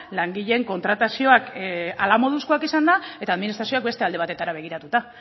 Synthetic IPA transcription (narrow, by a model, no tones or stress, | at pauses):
laŋɡiʎe̞ːŋko̞nt̪ɾat̪asio̞akalamo̞ð̞uskoakisand̪ae̞t̪aːðminist̪ɾasio̞ak̚be̞st̪e̞ald̪e̞at̪e̞t̪aɾaβe̞ɣ̞iɾat̪ut̪a